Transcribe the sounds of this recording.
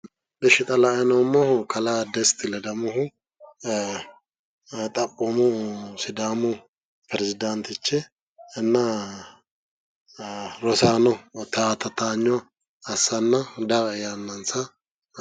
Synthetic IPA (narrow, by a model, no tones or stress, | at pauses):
bɛʃɪt̪ʼɐlaʔɛnɔmːɔhkʰɐlad̪ɛst̪ɪlɛd̪ɐmʊɦʊ | t̪ʼɐkʼːɔmʊsɪd̪aːmʊ | pɾɛzɪd̪ɐnt̪ɪt͡ʃːɛ | ɪnːɐ | ɾɔsaːnɔt̪at̪ɐt̪aɲːɔ | ɐsːɐnːɐd̪ɐɾɐjanːɐnsɐ